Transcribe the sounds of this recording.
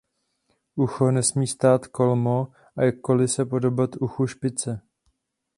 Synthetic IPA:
ʔuxonɛsmiːst̪aːt̪ko̞lmo | ʔajakːo̞lɪsɛpo̞dobat̪uxuʃpɪt͡sɛ

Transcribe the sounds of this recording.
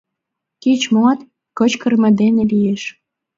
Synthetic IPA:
kit͡ɕmoɑt̪ | kə̆t͡ɕkə̆rmĕd̪enelijeʃ

